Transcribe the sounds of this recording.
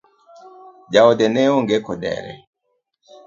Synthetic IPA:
d͡ʒaodɛnɛoŋɡekɔdɛ̰ɾɛ̰

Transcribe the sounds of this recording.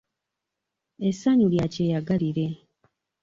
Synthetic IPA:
esaɲuljaceːjaɡaliɾe̞

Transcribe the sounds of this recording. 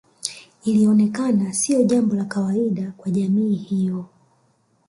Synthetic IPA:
iliɔnɛkanasiɔʄambɔlakawaiɗakwaʄamiːhijɔ

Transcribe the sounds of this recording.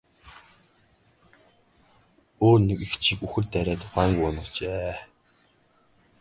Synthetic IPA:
oːrnĕkixt͡ɕʰikuxɘ̆rt̪æɾʲæːt̪χæŋɡʊːnʊ̆t͡ɕeː

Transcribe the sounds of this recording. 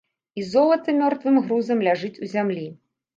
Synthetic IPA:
izɔlˠɐt̪ɨmʲɔrt̪vɨmɣɾuzɐmlʲaʐɨt͡sʲuzʲamlʲi

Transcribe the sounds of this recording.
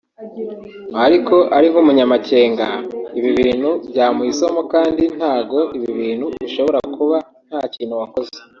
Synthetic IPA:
aɾiko̞ʔaɾiŋhumuɲamace̞ːŋɡaiβiβiːn̥hubɟaːmuiso̞mokaːndin̥haːɡo̞ʔiβiβiːnhuβiʃo̞βo̞ɾakuβa | n̥haːciːnhuwako̞ze

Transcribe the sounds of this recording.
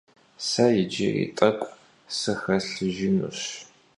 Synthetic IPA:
sɐjɪd͡ʒɪrḭtʼɐkʷʼ | sɨxɐɬɨʒɪnṵɕ

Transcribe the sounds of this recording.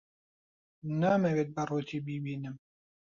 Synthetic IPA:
naːmɐweːt̪̚bɐruːt̪ʰiːbiːbiːnɨm

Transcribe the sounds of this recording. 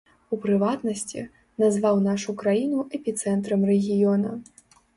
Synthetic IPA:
upɾɨvat̪nɐsʲt͡sʲḭ | nazvawnaʂukɾajinuɛpʲit̪sɛnt̪ɾɐmrɛɣʲijɔnɐ

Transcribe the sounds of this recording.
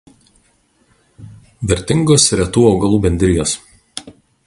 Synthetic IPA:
ʋʲɛɾʲt̪ʲɪŋɡoːsɾʲɛt̪uːɒʊɡɐlˠuːbʲɛnʲd̪ʲɾʲɪjoːs

